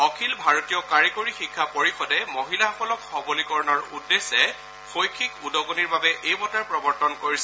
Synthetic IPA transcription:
ɔkʰilbʱaɹotijɔkaɹikoɹixikʰːapoɹixɔdɛmoɦilaɔkɔlɔkxɔbolikɔɹnɔɹudːesɛ | xʰojkʰikudɔɡoniɹbabɛʔejmɔtaɹpɹɔbɔɹtɔnkoɹisɛ

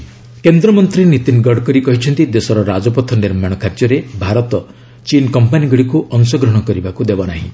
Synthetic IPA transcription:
kend̪ɾɔmɔnt̪ɾinit̪inɡɔɖkɔɾikɔɦit͡ʃʰɔnt̪id̪esɔɾɔɾad͡ʒɔpɔt̪ʰːɔniɾmaɽ̃ɔkʰaɾd͡ʒjɔɾebʱaɾɔt̪ɔ | t͡ʃinkɔmpaniɡɔɽikuʔɔnsɔɡɾɔɽ̃ɔkɔɾibakud̪ebɔnaɦḭ̃

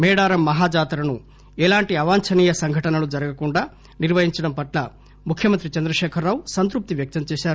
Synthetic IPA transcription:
mɛːɽaːɾɐmːɐɦaːd͡ʒaːt̪ɾɐnu | ɛlaːɳʈiɐʋaːɲt͡ʃɐniːjɐsɐŋɡʱɐʈɐnɐlud͡ʒɐɾɐɡɐkuɳɖɐ | niɾʋɐɦiɲt͡ʃɐɽɐmpɐʈlɐ | mukʰːjɐmɐnt̪ɾit͡ʃɐnd̪ɾɐʃɛːkʰɐɾːaːʋsɐnt̪ɾup̚t̪iʋjɐk̚t̪ɐnt͡ʃeːʃaːɾ

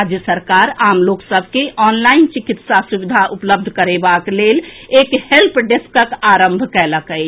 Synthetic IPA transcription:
ad͡ʒjəsəɾkaɾamloksəbʱkeʔɔnlaint͡ʃikit̪sasubid̪ʱaʔupləb̚d̪ʱkəɾebaklelekhelpɖeskəkaɾəmbʱkɛləkəj

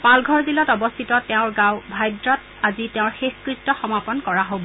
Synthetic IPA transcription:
palɡʱɔɹzilɔtɔbɔst̪ʰitɔtɛʊ̃ɹɡãʊbʱajdɹɔt | azitɛʊ̃ɹxexkɹik̚tːɔxɔmapɔnkɔɹaɦobɔ

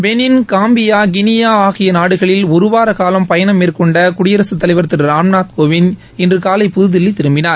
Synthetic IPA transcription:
ʋɛnɪnkaːmbɪjaːɡɪnɪjaːaːɣɪjɐnaːɽɯɣɐɭɪlɔɾɯʋaːɾɐkaːlɐmpɐjɐɳɐmːeːrkɔɳɖɐkʊɽɪjɐɾɐsɯt̪ːɐlɐɪʋɐɾt̪ːɪɾɾaːmnaːt̪koːʋɪn | ɛndrɯkaːlɐɪpʊðɯðɪlːit̪ɪɾɯmbɪnaːɾ

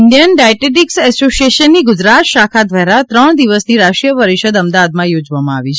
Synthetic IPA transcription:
nd̪ijənɖaʈeʈiksɛsosieʃənːiɡʊd͡ʒɾat̪ʃakʰad̪ʋaɾat̪ɾəɳ̃d̪iʋəsniɾaʃɾijəpəɾiʃəd̪əmd̪aad̪mãjod͡ʒʋamãaʋit͡ʃʰe

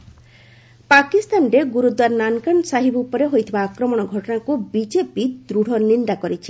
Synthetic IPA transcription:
pakist̪anɾeɡuɾud̪waɾnankaɳsaɦibupɔɾeɦojt̪ʰibaːkɾɔmɔɽ̃ɔɡʱɔʈɔnakubid͡ʒepid̪ɾuɽ̤ʱɔnind̪akɔɾit͡ʃʰi̥

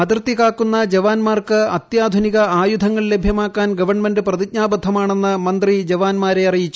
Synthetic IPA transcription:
ɐt̪irt̪ːikaːkːunːɐd͡ʑeʋaːnmaːrkɨɐt̪jaːd̪ʱuniɣɐaːjud̪ʱɐŋːɐɭlebʱjɐmaːkːaːnɡɐʋɐrɳme̞nɖɨprɐðik̚ɲaːbɐd̪ʱːɐmaːɳenːɨmɐnd̪rid͡ʑeʋaːnmaːɾeɐrijit͡ɕːu

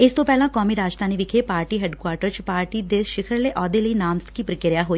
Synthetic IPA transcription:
ɪst̪õːpɛːlãːkɔːmiːɾaːd͡ʒt̪ãːniːʋɪkʰeːpaːɾʈiːɦɛːɖkwaːɾʈəɾt͡ʃpaːɾʈiːd̪eʃɪkʰəɾleːʔɔːd̪eːləiːnaːmst̪kiːpɾɪkɪɾjaːɦoːiː

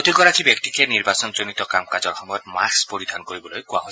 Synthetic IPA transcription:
od̪ʱikɔɾakʰibek̚t̪ikeniɾbasɔnd͡ʒonit̪ɔkamkad͡ʒɔɾxɔmɔjɔt̪makspoɾid̪ʱankoɾibɔlojkuaɦɔj

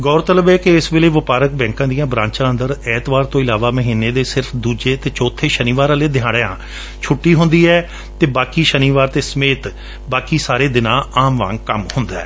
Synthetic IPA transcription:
ɡɔːɾt̪ələbɛːkɪɪsʋɪleːʋəpaːɾək̚bɛ̃ːŋkãːd̪ijãːbɾãːɲt͡ʃãːənd̪əɾɛːt̪ʋaːɾt̪õːɪlaːʋaːməɦiːnːeːd̪eːsɪɾpʰd̪uːd͡ʒeːt̪eːt͡ʃɔːt̪ʰːeːʃəniːʋaːɾãleːd̪ɪjãːɽã̰ː | t͡ʃʰʊʈːiːɦʊ̃nd̪iːɛː | t̪eːbaːkiːʃəniːʋaːɾt̪eːsəmeːt̪ | baːkiːsaːɾeːd̪ɪnãːaːmʋã̰ːŋɡkəmhʊnd̪aɛː

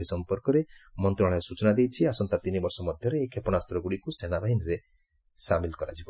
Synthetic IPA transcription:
isɔmpɔɾkɔɾemɔnt̪ɾuɔ̃eesut͡ʃɔnad̪ejt͡ʃʰiasɔnt̪at̪inibɔɾsɔmɔd̪ʱjɔɾeːkʰepɔɽ̃ast̪ɾɔɡuɽikusenabʱaɦinɔɾe | samilkɔɾa̰d͡ʒibɔ

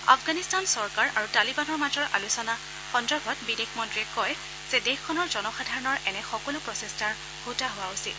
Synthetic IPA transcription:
a̰fɡanistansɔɹkaɹʔaɹutalibanɔɹmatɔɹʔa̰lusɔna | xɔndɔɹɡʱɔtbidexmɔntɹiɛkɔj | z̥edexkʰːɔnɔɹzɔnɔxadʱaɹɔnɔɹʔɛnɛxɔkɔlʊpɹɔsestaɹ | hotaɦʊwaʊsil

